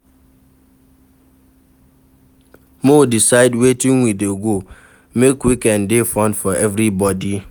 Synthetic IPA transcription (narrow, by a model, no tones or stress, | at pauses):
modisaɪdwetĩŋwideɡo | mekwikɛ̃ndefɔ̃ndfɔʔɛvɾibɔdi